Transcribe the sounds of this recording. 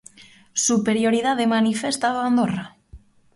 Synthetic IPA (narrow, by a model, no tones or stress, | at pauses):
supeɾjoɾiðaðemanifest̪aðoand̪ora